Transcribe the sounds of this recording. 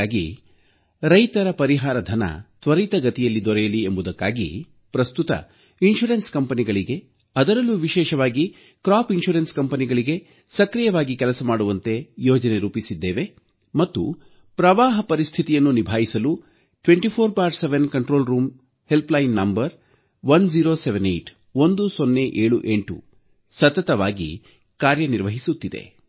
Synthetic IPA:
ɡḭ | ɾɐjt̪ɐɾɐpɐɾiɦaːɾɐd̪ʱɐnɐ̰t̪ʋɐɾit̪ɐɡɐt̪ijɐlːid̪ɔɾɛjɐliembud̪ɐkːa̰ːɡḭ | pɾɐst̪ut̪ɐ̰ | inʃuɾenskɐmpɐniɡɐɭiɡe̞ | ɐd̪ɐɾɐlːuʋiʃɛːʃɐʋaːɡi | kɾaːpinʃuɾenskɐmpɐniɡɐɭiɡe̞ | sɐkɾijɐʋaːɡikɛlɐsɐmaːɽuʋɐnt̪e̞jɔːd͡ʒɐne̞ɾuːpisid̪ːeːʋe̞ | mɐt̪ːṵ | pɾɐʋaːɦɐpɐɾist̪ʰit̪ijɐnːunibʱaːjisɐlu | ʈʋeɳʈipʰoːɾpaːɾʈseʋenkɐɳʈɾo̞ːlɾuːm | he̞lplɐjnːɐmbɐɾ | ʋɐnd͡ʒiːɾoːseʋenḛjʈ | ond̪usonːe̞ʔeːɭuʔeɳʈṵ | sɐt̪ɐt̪ɐʋaːɡḭ | kaːɾjɐniɾʋɐɦisut̪ːid̪e̞̰

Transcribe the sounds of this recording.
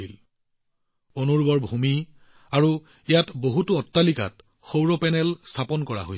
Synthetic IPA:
il | onuɹbɔɹbʱumi | aɹu | ijatboɦutuɔtːalika̰t | xowɹɔpɛnɛlstʰapɔnkɔɹa̰ɦoj

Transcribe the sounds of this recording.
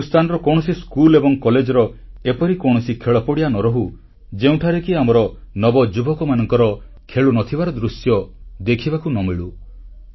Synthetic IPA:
ust̪ʰanɔɾɔkɔɽ̃ɔsiskulebɔŋkɔled͡ʒɔɾɔ | epɔɾikɔɽ̃ɔsikʰeɭɔpɔɽijanɔɾɔɦu | d͡ʒeũʈʰaɾekiamɔɾɔnɔbɔd͡ʒubɔkɔmanɔŋkɔɾɔ | kʰeɭunɔt̪ʰibaɾɔd̪ɾusjɔd̪ekʰibakunɔmiɭu

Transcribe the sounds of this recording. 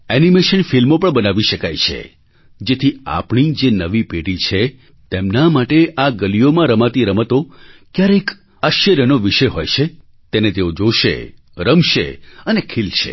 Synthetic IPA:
ɛnimeʃənfilmopəɳbənaʋiʃəkajt͡ʃʰḛ | d͡ʒet̪ʰia̰pɳ̃id͡ʒenəʋipeɽit͡ʃʰe | t̪emnamaʈeʔaɡəlijomãɾəmat̪iɾəmət̪okjaɾəjk | aʃəɾjənoʋiʃəjɦojt͡ʃʰe | t̪enet̪eod͡ʒoʃḛ | ɾəmʃḛənekʰilʃḛ

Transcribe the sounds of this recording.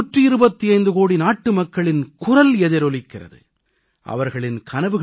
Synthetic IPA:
ʈriɪɾɯbɐt̪ːiɐɪnd̪ɯkoːɽinaːʈːɯmɐkːɐɭɪnkʊrɐlɛðɪɾɔlɪkːɪrɐ̰ðɯ̰ | ʔɐ̰ʋɐɾɣɐɭɪnkʰɐnɐʋɯɣ

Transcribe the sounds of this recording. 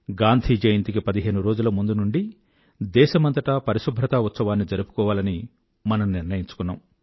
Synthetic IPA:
ɡaːnd̪ʱiːd͡ʒɐjɐnt̪ik̬ipɐd̪iɦe̞ːnuɾoːd͡ʒulɐmund̪unuɳɖi | d̪ɛːʃɐmɐnt̪ɐʈɐpɐɾiʃubʱɾɐt̪aːut̪sɐʋaːnːid͡ʒɐɾupu̥kɔːʋaːlɐni | mɐnɐmniɾnɐjiɲt͡ʃu̥kunːa̰ːm

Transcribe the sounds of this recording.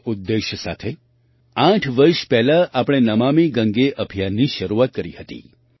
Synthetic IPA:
ud̪ːeʃjəsa̰t̪ʰe | ãʈʰʋəɾʃpɛɦlaʔapɽ̃enəmamiɡə̃ŋɡeʔəbʱijanːiʃəɾuat̪̚kəɾihət̪ḭ

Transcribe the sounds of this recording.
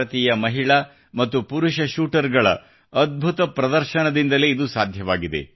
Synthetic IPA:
ɐt̪iːjɐmɐɦiɭɐ | mɐt̪ːupuɾuʃɐʃuːʈɐɾɡɐɭɐ̰ | ɐd̪̚bʱut̪ɐpɾɐd̪ɐɾʃɐnɐd̪ind̪ɐle̞id̪usaːd̪ʱjɐʋaːɡid̪e̞̰

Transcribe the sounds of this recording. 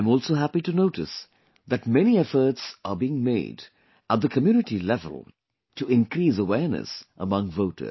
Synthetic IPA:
mɔːlˠsoʊɦæpitunoʊʈɨ̰s | ðæt̚mɛñiɛfə˞tsʔəbiɪ̃ŋmḛɪd | ʔət̪̚ðəkʰəmjuːnɨʈilɛvə̰l̩ˠ | tuɪ̃nkɾiːsəwɛɹnɨ̰sʔə̰mʌ̃ŋvoʊtʰə̰˞

